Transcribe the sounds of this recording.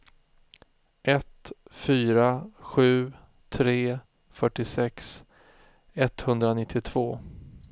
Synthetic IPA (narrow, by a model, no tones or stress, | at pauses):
ʔɛt̪fyːɾaɧʉ̟ː | t̪ʰɾeː | fœʈːɪsɛks | ɛt̪ːhɵnd̪ɾanɪt̪ʰːɪt̪ʰv̥oː